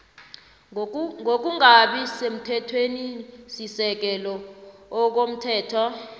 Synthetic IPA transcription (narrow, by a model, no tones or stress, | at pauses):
ŋok̬uŋaɓisem̩tʰɛtʰwenisisɛk̬ɛlɔː | k̬om̩tʰɛːtʰa